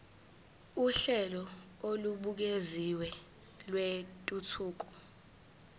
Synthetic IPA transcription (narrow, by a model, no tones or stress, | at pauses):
uɬɛlɔoluɓuk̬eziwɛ | lwetʼutʰuːk̬ɔ̥